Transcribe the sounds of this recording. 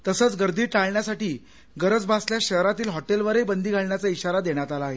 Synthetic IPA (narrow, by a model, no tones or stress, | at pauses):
t̪əsət͡sɡəɾd̪iːʈaɭɳjasaʈiː | ɡəɾəd͡zbʱasljaɕəɦɾat̪iːlɦɔʈelʋəɾebənd̪ʱiːɡʱaɭɳjat͡saiɕaɾad̪eɳjat̪alaːɦe